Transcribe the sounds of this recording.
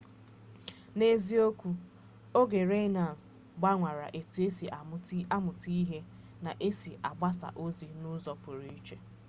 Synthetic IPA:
ne˦zi˦o˦kʷu˦ | o˦ɡe˨ɾe˦na˨n˨s | ɡ͡ba˦ŋʷa˨ɾa̰˨ʔe˨tu˨˦e˦si˨ʔa˨m˦a˦mʊ˨ti˦i˦ɦe˦ | na˨ʔe˦si˨a̰˨ɡ͡ba˦sa̰˨ʔo˦zi˨nʊ˦zɔ˨pʊ˨ɾi˦i˦t͡ʃe˨

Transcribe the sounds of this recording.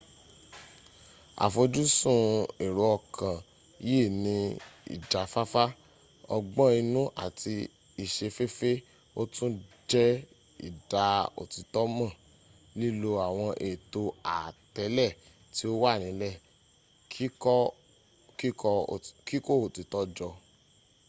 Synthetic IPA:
a̰˨fo˧d͡ʒu˦sũ˦˨e˨ɾo˨˧˦ɔ˧˨kʰã˨ | je˦˨nĩ˧ḭ˨d͡ʒa˨fa˦fa˦ | ɔ˧ɡ͡bɔ̃˦i˧nũ˦ʔa̰˦˨tʰi˧ | i˨ʃe˧fe˦fe˦ | o˦tũ˦d͡ʒɛ˦ | ḭ˨da˨o̰˨ti˨˧tɔ˦mã˦˨ | li˦lo˧a˨w̃ɔ̃˧ʔe˨to˧a˨tɛ˨˦lɛ˦˨ | ti˦o˦wa˦˨nĩ˨˦lɛ˦˨ | k | ki˦kɔ˧˨ki˦ko˦o˨ti˨˧tɔ˦d͡ʒɔ˧

